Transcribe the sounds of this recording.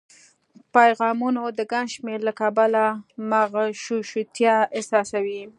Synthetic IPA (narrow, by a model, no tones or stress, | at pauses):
pajɣɑmunod̪əɡaŋɡʃmeɾlakabalamaɣʃuʃut̪jɑɪsɑsawi